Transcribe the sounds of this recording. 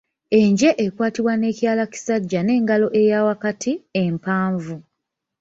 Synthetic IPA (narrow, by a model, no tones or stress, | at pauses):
e̞ɲɟe̞ʔekwaːtiβwane̞ːcjaːlaci̥saɟːane̞ːŋɡalo̞ʔe̞jaːwakatʰiempaːɱvu